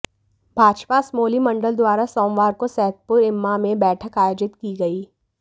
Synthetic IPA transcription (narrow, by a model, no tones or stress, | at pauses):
bʱaːd͡ʒpasmoːlimɐ̃ɳɖəld̪waːɾasoːmʋaːɾkosɛɦt̪̚pʊɾɪmːamẽbɛːʈʰəkaːjoːd͡ʒɪt̪kiɡɐiː